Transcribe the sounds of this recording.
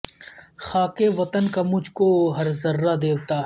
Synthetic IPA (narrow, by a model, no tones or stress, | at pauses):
xaːkeʋɐt̪ənkamʊd͡ʒʱkoɦɐɾzɐɾːad̪eːwt̪aːɦ